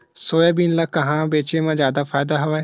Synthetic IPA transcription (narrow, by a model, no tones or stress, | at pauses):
soːeːbiːnlaːkəɦãːbeːt͡ʃeːmãːzjaːd̪aːpʰaːɪd̪aːɦʊʋaː